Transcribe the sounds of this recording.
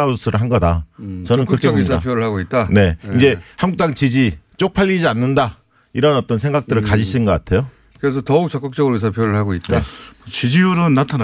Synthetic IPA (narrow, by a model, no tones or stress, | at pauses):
ausʰɯɾɯɭɦanɡʌda̰t͡ɕʌnɯnkɯɾʌkʰeidapʰjoɾɯɭaɡoit̚t͈ane̞ind͡ʑe̞haŋɡuk̚t͈aŋt͡ɕid͡ʑit͡ɕ͈ok̚pʰaʎːid͡ʑianːɯnda | iɾʌnʌt͈ʌnsʰe̞ŋɡak̚t͈ɯɾɯɭkad͡ʑiɕʰinɡʌk͈atʰe̞jo | kɯɾes̬ʰʌtʌuk̚t͡ɕʌk͈ɯk̚t͡ɕ͈ʌɡɯɾois̬ʰapʰjoɾɯɭhaɡoit̚n͈ea̰ʌt͡ɕid͡ʑiuɾonːatʰan